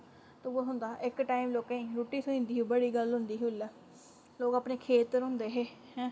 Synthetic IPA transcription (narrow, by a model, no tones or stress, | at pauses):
t̪oboɦʊnd̪aːʔɪkʈaːimloːkãĩːɾoːʈiːsəĩːnd̪iːɦuːbəɽiːɡəlɦʊ̃nd̪iːɦulɛː | loːkapneːkʰeːt̪ɾɦʊ̃nd̪eːɦeː | hɛ̃ː